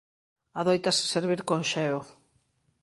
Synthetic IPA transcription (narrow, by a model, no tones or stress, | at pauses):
aðojt̪ase̥seɾβ̞iɾkonʃɛo